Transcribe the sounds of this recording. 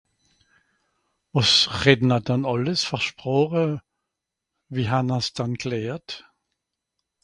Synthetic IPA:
ɔsʁedn̩adanɑləsfɛʃpʁ̥ɔʁə | viːɦanasd̥anklɛːt

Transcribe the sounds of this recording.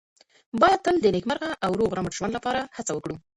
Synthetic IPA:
bɑjad̪̚t̪əld̪ənekmaɾɣaʔawɾoɣɾaməʈʒ̥wand̪lapɑɾahat͡sawəkɽu

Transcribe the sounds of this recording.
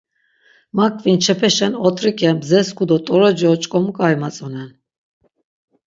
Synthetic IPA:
makʼvint͡ʃʰɛpʰɛʃɛnɔt̪ʼɾikʼɛbzɛskud̪ɔt̪ʼɔɾɔd͡ʒɔt͡ʃʼkʼɔmukʼajmat͡sʼɔnɛn

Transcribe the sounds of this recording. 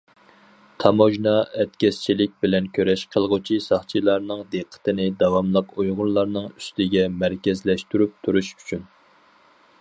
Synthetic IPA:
t̪ʰɑmoʒnɑɛt̪kʲɛst͡ʃʰilɪk̚ʲbɪlɛnkʲʰøɾɛʃqʰəlˠʁʊt͡ʃʰisɑχt͡ʃʰilˠɑɾnɨŋd̪eqʰːə̥t̪ɪnɪd̪ɑwɑmlˠəqujʁʊɾlˠɑɾnɨŋy̥st̪ɪɡʲɛmæɾkʲɛzlɛʃt̪yɾyp̚t̪ʰuɾuʃy̥t͡ʃʰyn

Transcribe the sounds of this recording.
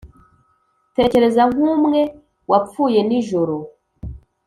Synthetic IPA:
te̞ce̞ɾe̞zaŋ̥umŋe̞ | wap͡fuːje̞niʒoɾo

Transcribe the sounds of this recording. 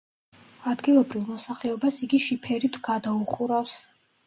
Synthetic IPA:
ad̪ɡilˠɔbɾivmɔsaχlɛɔbasiɡiʃipʰɛɾit̪ʰɡad̪auχuɾafs

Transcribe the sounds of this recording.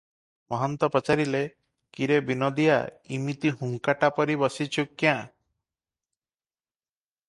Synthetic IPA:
mɔɦɔnt̪ɔpɔt͡ʃaɾile | kiɾebinɔd̪ija̰imit̪ihuŋkaʈapɔɾibɔsit͡ʃʰukːjã

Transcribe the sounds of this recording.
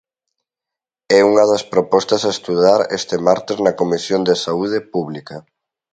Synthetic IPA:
ɛuŋɐðɐspɾopɔst̪ɐsaest̪uðaɾɛ̰st̪emaɾt̪eznɐkomisjond̪esauð̞epuβlikɐ

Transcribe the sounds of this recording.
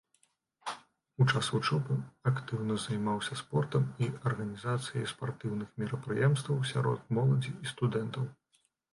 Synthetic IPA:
ut͡ʂasut͡ʂɔpɨakt̪ɨwnɐzajmawsʲɐspɔrt̪ɐmiɐrɣɐnʲizat̪sɨjɐ̰jspart̪ɨwnɨxmʲiɾɐpɾɨjɛmst̪vɐwsʲa̰ɾɔ̰t̪mɔlˠɐd͡zʲiːst̪ud̪ɛnt̪ɐw

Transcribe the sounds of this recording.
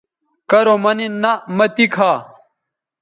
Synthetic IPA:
kɐɾomɐninɐmɐt̪ikʰaː

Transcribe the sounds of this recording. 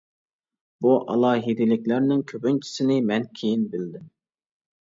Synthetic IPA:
b̥uʔɑ̰lˠɑːɦid̪ɪlɪkʲlæɾnɪŋkʲʰøbynt͡ʃʰi̥sɪnɪmɛnkʲʰejinbɪld̪ɪm

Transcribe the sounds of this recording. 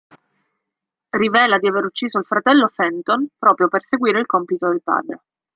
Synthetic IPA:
rivɛːlad̪iaveɾut͡ʃːiːzoilfɾat̪ɛlːofɛnt̪onpɾɔːpɾjoperseɡwiːɾeilkompit̪od̪elpa̰ːd̪ɾe

